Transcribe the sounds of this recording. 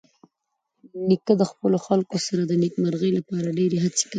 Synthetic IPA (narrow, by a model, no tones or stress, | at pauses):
nikəd̪əxpəloxalkosaɾad̪ənikmaɾɣəjlapɑɾaɖeɾeɦat͡se̥kai